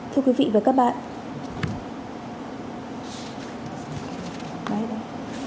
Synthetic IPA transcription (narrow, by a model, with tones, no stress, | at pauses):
t̪ʰɨ˧əkwi˨˦vḭ˧˨vaː˨˩kaː˦˥k̚ɓa̰ː˧˨ʔ | ɓaː˨˩ɓa˧˩